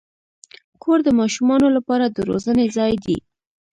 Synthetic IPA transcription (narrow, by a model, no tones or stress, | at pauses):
kʰoɾd̪əmɑʃumɑnolapɑɾad̪əɾo̰zənezɑjd̪ḭ